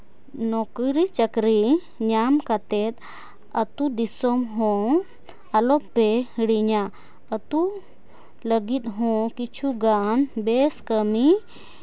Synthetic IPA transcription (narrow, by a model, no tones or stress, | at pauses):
nɔkɾit͡ʃəkɾi | ɲamkat̪ɛt̪̚ | ət̪ud̪isɔmɦɔ̃ | alɔpːehiɽiɲa | ət̪u | ləɡit̪̚ɦɔ̃kit͡ʃʰuɡanbeskəmi